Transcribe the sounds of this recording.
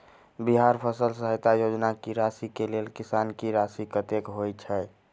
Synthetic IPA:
biɦaɾpʰəsəlsəɦəjt̪ajod͡ʒnakiɾasikelelkisankiɾasikət̪ekɦojt͡ʃʰɛ

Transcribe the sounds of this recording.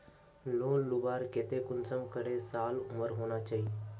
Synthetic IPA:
loːnlʊbaːɾket̪ekʊnsəmkəɽesaːlʊməɾɦoːnat͡ʃaːɦi

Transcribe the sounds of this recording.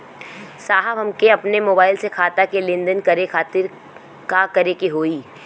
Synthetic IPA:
saːɦəbɦɐmkeɐpnemoːbaːɪlsekʰaːt̪akelẽːnd̪ənkɐɾekʰaːt̪ɪɾ | kakɐɾekiɦoːiː

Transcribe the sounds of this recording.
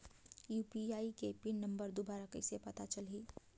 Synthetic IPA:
juːpiaːikepinɐ̃mbəɾd̪ubaːɾakəɪsepɐt̪at͡ʃəlɦiː

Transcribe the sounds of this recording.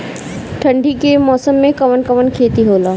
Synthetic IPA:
ʈʰə̃ɳɖʱikemɔːsəmːẽkɐʋənkɐʋənkʰeːt̪iɦoːlaː

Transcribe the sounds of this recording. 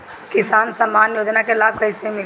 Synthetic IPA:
kɪsaːnsəmaːnjoːd͡ʒnakelaːb̚kəɪsemɪ

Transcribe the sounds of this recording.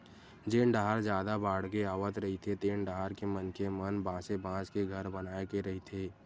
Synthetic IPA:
d͡ʒeːɳɖaːɾd͡ʒjaːd̪abaːɽ̤keaːʋət̪ɾɐɦit̪ʰet̪eːɳɖaːɾkemənkemənbãːt͡ʃebãːt͡ʃkeɡʱəɾbənaːekeɾɐɦit̪ʰeː

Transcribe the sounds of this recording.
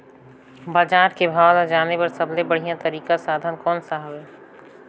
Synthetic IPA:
baːd͡ʒaːɾkebʱaːwlad͡ʒaːnepɐɾsɐblebəɽ̤ijãt̪ɐɾiːkasaːd̪ʱənkɔːnsaɦəɛː

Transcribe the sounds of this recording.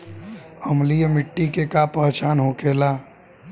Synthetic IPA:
əmlijemɪʈːikekapəɦt͡ʃaːnɦokelaː

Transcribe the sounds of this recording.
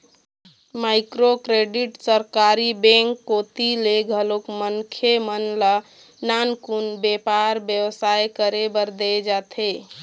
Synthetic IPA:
maɪkɾokɾeɖiʈsəɾkaɾibẽŋkːot̪ileɡʱəlokmənkʰemənla | nankunbepaɾbjəwsajkəɾebəɾd̪ed͡ʒat̪ʰe

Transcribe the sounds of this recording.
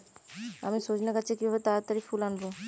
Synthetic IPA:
a̰miʃod͡ʑʱnekat͡ɕʰekibʱaβet̪at̪aɾifʰulanbo

